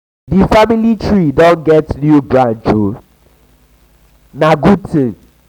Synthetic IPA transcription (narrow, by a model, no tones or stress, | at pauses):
difamilitʰɹidɔ̃nɡɛtnubɹãnd͡ʒu | naɡutʰĩ